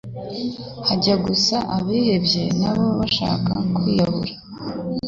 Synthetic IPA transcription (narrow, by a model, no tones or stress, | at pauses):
haɟaɡusaʔaβihe̞bje̞naβo̞βaʃa̰ːkakwiːjaβṵɾa